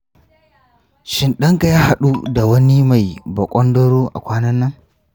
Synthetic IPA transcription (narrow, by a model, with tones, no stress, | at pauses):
ʃɪ˦nɗɐ˦ŋka˨jaː˦ha˦ɗu˦da˨wɐ˦ni˦ma˨jbɐ˨kʷʼɔ˦ndɔ˦ɽoː˦ʔa̰˨kʷaː˦nɐ˦nːɐ˦ŋ